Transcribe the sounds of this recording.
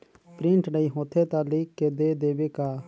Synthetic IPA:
pɾɪ̃ɳʈnəiːɦõːt̪ʰeːt̪ãːliːkːed̪eːd̪eːbeːkaː

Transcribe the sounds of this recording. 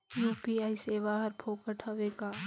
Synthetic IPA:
juːpiaːiseːʋaːɦɐɾpʰoːkəʈʰɐʋeːkaː

